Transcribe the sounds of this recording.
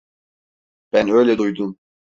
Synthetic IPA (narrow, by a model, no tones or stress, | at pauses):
b̥ænø̞jlʲɛd̪ujd̪um